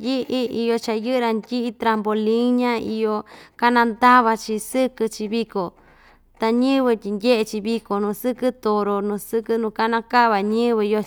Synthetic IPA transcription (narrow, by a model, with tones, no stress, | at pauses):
ji˦˧ʔi˦i˧jo˧t͡ʃa˧jɨ˦ʔɾa˧ndʲi˦ʔi˧t̪ɾa˧mbo˧lĩ˦ɲã˦ḭ˧jo˧ka˦nã˧nd̪a˦βa˧t͡ʃi˧sɨ˦kɨ˧t͡ʃi˧βi˧ko˨ | t̪a˧ɲɨ̃˦βɨ˧t̪ʲi˧ndʲe˦ʔe˧t͡ʃi˧βi˧ko˨nũ˧˨sɨ˦kɨ˦t̪o˨ɾo˧nũ˨˧sɨ˦kɨ˧nũ˧˨ka˦nã˧ka˦˨βa˨ɲɨ̃˦βɨ˧jo˧